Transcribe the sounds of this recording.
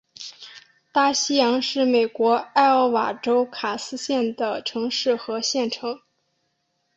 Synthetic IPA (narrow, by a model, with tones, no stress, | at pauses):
t̪a˥˩ɕi˥jɑ˧˥ŋʂɻ̩˥˩me˨˩ɪkwɔ˧˥a˥˧ɪə˥˩wa˨˩ʈ͡ʂo˥ʊkʰa˨˩sɹ̩˥ɕjɛ˥˩nd̪ə˩ʈ͡ʂʰɤ˧˥ŋʂɻ̩˥˩xɤ˧˥ɕjɛ˥˩nʈ͡ʂʰɤ˧˥ŋ